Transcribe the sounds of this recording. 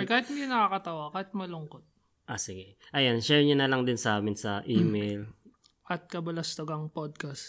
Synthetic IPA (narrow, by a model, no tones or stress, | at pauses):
kaːhɪt̪̚hɪnd̪inɐkaːkɐt̪ɐwakaːhɪt̪̚mɐlʊŋkot̪̚ | ʔasɪɡɛʔɐjanʃɛɹɲɐnɐlɐŋd̪ɪnsɐʔaːmɪnsɐʔiːmejl | ʔɐt̪̚kɐbɐlɐst̪ɐɡɐŋpod̪̚kɐst̪